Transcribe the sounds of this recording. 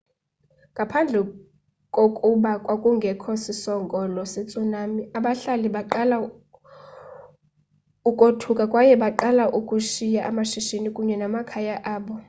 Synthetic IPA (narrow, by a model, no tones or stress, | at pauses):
ŋɡʱapʰand͡ɮʱɛ | kʼokʼuɓakʼwakʼuŋɡʱɛkʰosisɔŋkʼɔlɔset͡sʼunamiaɓaɬaliɓaǃala | ukʼotʰukʼakʼwajɛɓaǃalaʔukʼuʃijaʔamaʃiʃinikʼuɲɛnamakʰajaʔaːɓɔ